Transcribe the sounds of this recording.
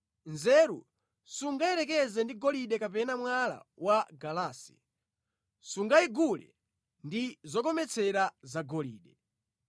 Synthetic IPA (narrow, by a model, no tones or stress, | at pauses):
nzɛːɾṵ | suŋɡaɛɾɛk̬ɛzɛndiɡɔliɗɛkapɛnamwala̰waɡalaːsḭ̥ | suŋɡaiɡulɛ̰ | ndizɔkɔmɛt͡sʰɛɾazaɡɔlḭːɗɛ